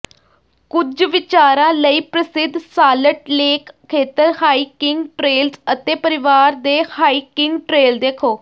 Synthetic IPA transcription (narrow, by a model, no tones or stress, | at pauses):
kʊd͡ʒʋɪt͡ʃaːɾãːləiːpɾəsɪd̪saːləʈleːkʰːeːt̪əɾhaːiːkɪ̃ŋɡʈɾeːlsət̪eːpəɾɪʋaːɾd̪eːhaːiːkɪŋɡʈɾeːld̪eːkʰoː